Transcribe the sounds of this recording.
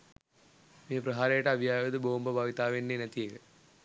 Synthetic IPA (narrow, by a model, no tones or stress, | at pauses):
mijɐpɾɐɦaːɾeːɐʈɐːʋʱjaːʋɐd̪ɨboːmbɐbʱaːʋit̪aːʋenːenɐt̪ijɐkɐ